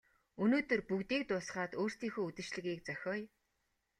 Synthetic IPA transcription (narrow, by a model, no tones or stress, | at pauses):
ɵnoːt̪ɵ̆rpukt̪iːk̚t̪ʊːsχaːt̪oːr̥st̪iːŋxuːut̪ɘ̆t͡ɕɮɘ̆ɣiːkt͡sœxʲɔːj